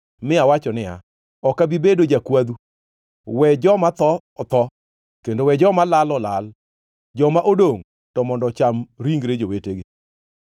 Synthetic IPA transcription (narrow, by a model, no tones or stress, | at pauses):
mɪawat͡ʃɔnɪa̰ | ɔkabibedod͡ʒakwad̪u | wɛd͡ʒɔmat̪ɔ | ɔt̪ɔ | kendowɛd͡ʒɔmalalɔlal | d͡ʒɔmaʔodoŋ | tɔmɔndɔt͡ʃamɾiŋɡɾed͡ʒoweteɡɪ